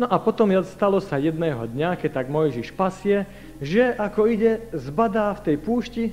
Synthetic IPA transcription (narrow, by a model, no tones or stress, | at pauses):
nɔʔapɔt̪ɔmjat̪st̪alɔsajɛd̪̚nɛːɦɔ̰d̪ɲakɛt̪aɡmɔjʒiʃpasɪɛ | ʒɛʔakɔiɟɛzbad̪aːft̪ɛjpuːʃci